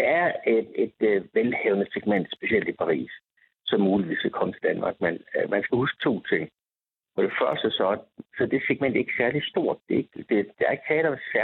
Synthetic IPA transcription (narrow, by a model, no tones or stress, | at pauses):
d̥eæɐee̝d̥ʋelheːʊnəseɡ̥men̰d̥sb̥e̝siel̰d̥ipʰɑ̈ʁḭːs | sɒ̽mːuːliʋḭːsækʰɒ̽mət͡sʰe̝ld̥ænmɑ̈ːɡ̥menmænsɡ̥æhusɡ̥̚t͡sʰo̝̰ːt͡sʰe̝ŋ̰ | fɒ̽ɾ̥e̝fɶɐsd̥əsɒ̽sɒ̽d̥e̝seɡ̥men̰d̥æɐe̝ɡ̥sæɐlisd̥o̝ɐ̰d̥d̥e̝eɡ̥d̥ed̥eɐe̝ɡ̥sɛd̥ɑsæ